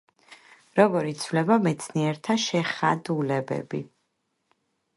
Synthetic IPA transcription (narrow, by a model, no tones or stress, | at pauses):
ɾɔɡɔɾit̪sʰvlɛbamɛt̪sʰniɛɾt̪ʰaʃɛχad̪ulɛbɛ̰bḭ